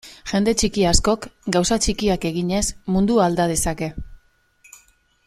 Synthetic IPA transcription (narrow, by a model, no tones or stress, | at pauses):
ʝe̞nd̪e̞t͡ʃikiasko̞kɡawsat͡ʃikiake̞ɣiɲe̞smund̪uald̪aðe̞sake̞